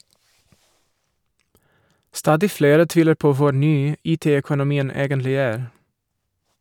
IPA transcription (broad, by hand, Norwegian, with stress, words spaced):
ˈstɑːdɪ ˈfleːɾə ˈtʋiːləɾ ˈpoː ˈʋʊ ˈnyː ˈiːˌteː ɛkʊnʊˈmiːən ˈeːɡənlɪ ˈæːɾ